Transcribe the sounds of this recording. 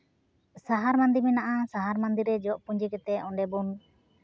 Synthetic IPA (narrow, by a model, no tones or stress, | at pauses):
saɦaɾmand̪iɾmɛnaʔasaɦaɾmand̪iɾɛd͡ʒɔʔpuɲd͡ʒɛkɛt̪ɛɔɳɖɛbun